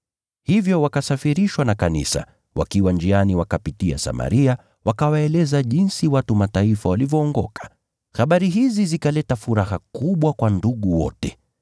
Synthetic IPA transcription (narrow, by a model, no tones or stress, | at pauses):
hivjɔwakasafiɾiʃwanakanḭsa̰ | wʔa̰kiwand͡ʒianiwakapitia̰sa̰ma̰ɾia | wakawaɛlɛzaʄinsiwatumataifawalivjɔːŋɡɔkʰḁ | haɓaɾiɦizizikalɛtafuɾahakuɓwakwanduɠuwɔ̰tɛ